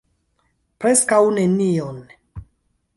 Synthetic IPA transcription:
pɾɛskawnenion

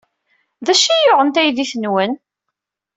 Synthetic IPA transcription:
ðæʃijʊʁənt̪æjðiθənwən

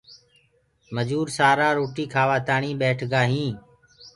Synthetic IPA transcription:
məd͡ʒuːɾsaːɾaːɾoːʈiːkʰaːʋaːt̪aːɳĩːɓeːʈʰɡaːɦĩː

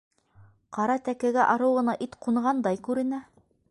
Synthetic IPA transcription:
qɑɾɑt̪ækɘ̆ɡæʔɑɾɤwʁɤ̆nɑʔit̪quɴʁɑnd̪ɑjkʉɾɘ̆næ

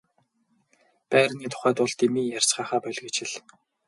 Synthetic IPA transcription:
pæːrniːt̪ʰʊ̥χæːt̪ʊɮt̪imiːjar̥t͡sɢaːχaːpœɮʲɡĕt͡ɕɪ̆ɮ

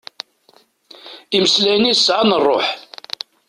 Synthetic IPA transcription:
iməslæjnisːʕanərˤːo̰ħ

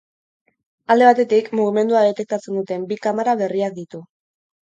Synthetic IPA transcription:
ald̪e̞β̞at̪e̞t̪ikmuɣ̞ime̞nd̪uað̞e̞t̪e̞k̚t̪at͡se̞nd̪ut̪e̞mbikamaɾaβe̞riak̚d̪it̪u

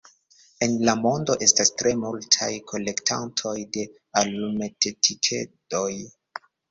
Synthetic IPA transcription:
e̞nlamo̞ndo̞ʔe̞stastɾe̞multʰajkʰo̞le̞ktʰantʰo̞jde̞ | alumetʰetʰikʰe̞̰doj

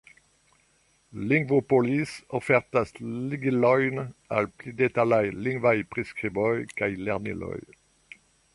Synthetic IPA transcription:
liŋɡvopɔlisɔfɛʁt̪asliɡilɔjna̰lplyd̪et̪alajliŋvajpʁiskχibɔjkajlɛʁnḭlœ̰j

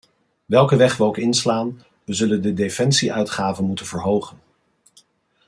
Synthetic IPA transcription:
ʋɛlˠkəʋɛχʋəowkɪnslaːn | ʋəzɵləndədefɛnsiʔœɥtχaːvənmutənv̥əɹɦowχən

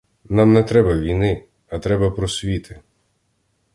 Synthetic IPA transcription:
namnɛt̪ɾɛbɐʋʲijnɪ | ɐt̪ɾɛbɐpɾɔsʲʋʲit̪ʰɪ

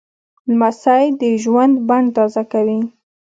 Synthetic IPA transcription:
lmasajd̪əʒwand̪baɳt̪ɑzakawi

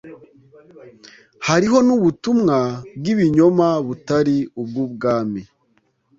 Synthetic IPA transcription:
haɾiɦo̞nuβutumŋabɡiβiɲo̞maβutaɾiub̚ɡuːbɡaːmi

